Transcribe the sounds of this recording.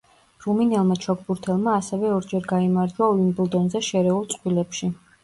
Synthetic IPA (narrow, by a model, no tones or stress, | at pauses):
ɾuminɛlˠmat͡ʃʰɔk̚ʰbuɾt̪ʰɛlˠmaːsɛvɛɔɾd͡ʒɛɾɡaimaɾd͡ʒwaɔlinblˠd̪ɔnzɛʃɛɾɛulˠt̪sʼqʼwilɛpʃi